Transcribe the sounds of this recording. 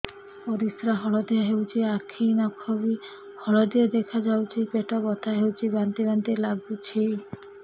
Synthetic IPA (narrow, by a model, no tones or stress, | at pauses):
ɔɾisɾaɦɔɭɔd̪iɔɦewt͡ʃʰiakʰinakʰɔbi | hɔɭɔd̪iɔd̪ekʰad͡ʒawt͡ʃʰipeʈɔbɔt̪ʰaɦewt͡ʃʰibant̪ibant̪ilaɡut͡ʃʰi